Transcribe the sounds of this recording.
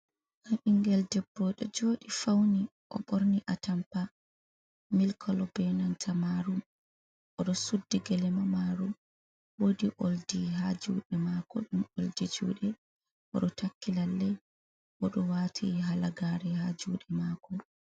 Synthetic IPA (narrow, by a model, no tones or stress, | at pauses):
kamiŋɡɛldɛbːɔɗɛd͡ʒoːɗifawniʔɔ̰ɓɔɾniʔatampa | milkʰɔlɔbɛnantʰamaɾum | ʔɔɗɔsudːiɡɛlɛmamaːɾum | wodiʔoldiɦad͡ʒuːɗɛmaːkɔ̰ɗumoldid͡ʒṵːɗɛ | ʔɔ̰ɗɔtakːilalːɛ | ʔɔɗɔwatʰiɦalaɡaɾɛhad͡ʒuːɗɛmaːkɔ